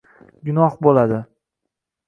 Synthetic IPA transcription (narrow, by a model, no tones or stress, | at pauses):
ɡʊnɒhbolad̪ɪ